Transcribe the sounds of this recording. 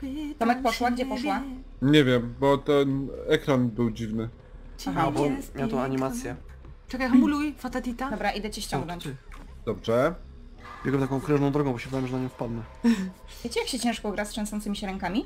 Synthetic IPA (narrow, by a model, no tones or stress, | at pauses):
t̪ɔmɛk̚pɔʂwaɡd͡ʑɛɡpɔʂwa | ɲevʲjɛmbɔt̪ɛnɛkɾanbɘwd͡ʑivnɘ | aɦabɔmʲawat̪ɔ̃w̃aɲimat̪sjɛ | ʈ͡ʂɛkajxmulujfat̪at̪it̪ad̪ɔbɾaʔid̪ɛt͡ɕɛɕt͡ɕɔ̃ŋɡnɔ̃ɲt͡ɕd̪̥ɔbʐɛ | bʲeɡwɛmt̪akɔ̃w̃kɾɛʐnɔ̃w̃d̪ɾɔɡɔ̃bɔɕɛvd̪awɛmʐɛnaɲɔ̃w̃fpad̪nɛ | jet͡ɕɛjakɕɛt͡ɕɛ̃ʂkɔɡɾastʂɛ̃ñsɔnt̪sɘmʲiɕɛɾɛŋkamʲi